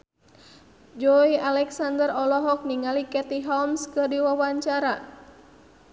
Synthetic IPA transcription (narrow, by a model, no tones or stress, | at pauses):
d͡ʒɔialɛksandərɔlɔɦɔk̚niŋalikɛt̪iɦɔmskɨrdiwawaɲt͡ʃaɾa